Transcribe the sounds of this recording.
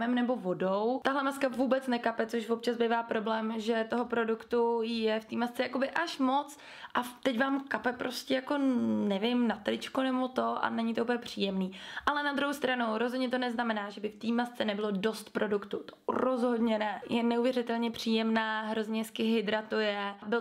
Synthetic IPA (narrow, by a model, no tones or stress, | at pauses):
ɛmnɛbo̞vo̞dowt̪aɦlɛmaskavuːbɛt͡snɛkapɛt͡soʃvop̚t͡ʃazbɪvaːpɾo̞blɛːmʒɛt̪oɦo̞pɾo̞dukt̪ujɛft̪iːmast͡sɛjako̞bɪʔaʃmo̞t͡s | ʔat̪ɛcvaːmkapɛpɾo̞scʲɛjako̞nɛvɪmnat̪lɪt͡ʃkunɛbo̞t̪o̞ʔa̰nɛɲɪt̪ouːpl̩ɲɛpr̝̥ḭːjɛmniːʔalɛnad̪ɾuɦowst̪ɾanuɾozɦodɲɛt̪o̞nɛznamɛnaːʒɛbɪft̪iːmast͡sɛnɛbɪlo̞do̞st̪pɾʔo̞dukt̪ut̪o̥ɾozɦo̞dɲɛnɛjɛnɛuvjɛrɪt̪ɛlɲɛpr̝̥iːjɛmnaːɦɾo̞zɲɛskɪɦɪd̪ɾat̪ujɛbɪ